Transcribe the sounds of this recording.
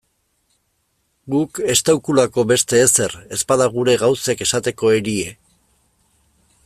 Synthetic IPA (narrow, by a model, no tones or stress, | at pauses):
ɡuke̞st̪awkulako̞βe̞st̪e̞ːse̞re̞spaðaɣuɾe̞ɣawseke̞sat̪e̞ko̞e̞ɾie̞